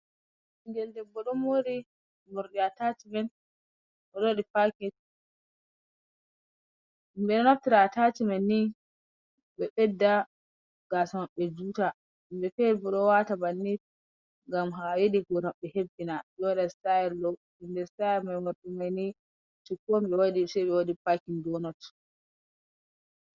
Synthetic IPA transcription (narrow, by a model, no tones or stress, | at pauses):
inɡɛldɛbːɔɗɔmoɾi | muɾɗiatat͡ʃimɛn | ʔɔɗoɗifakɛt̚ | imbɛɗɔnaftiɾatat͡ʃimanːi | ɓɛɓɛdːa | ɡ̥aːsamaɓːɛd͡ʒuːta | imbɛfɛlbɔɗɔwatabanːit | ŋɡamɦajeɗiɡɔnaɓːɛhebːinaɓɛwaɗasajɛɾlɔ | indɛɾsajɛɾmamaɓɛmajni | t͡ʃukːombɛwadisɛjɓɛwaɗipakindɔnɔt